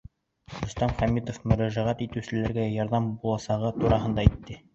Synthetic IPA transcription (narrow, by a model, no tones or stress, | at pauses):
ɾɵ̆st̪ɑmχæmit̪ofmɵ̆ɾæʒæʁæt̪it̪ɘ̆sɘ̆læɾɡæjɑɾðɑmbulˠɑsɑʁɤt̪uɾɑɦɤnd̪ɑit̪ːɘ